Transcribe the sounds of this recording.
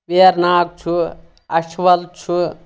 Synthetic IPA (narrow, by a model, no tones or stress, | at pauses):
ʋeːɾnaːk̚t͡ʃʰu | ɐʃʋɐlt͡ʃʰu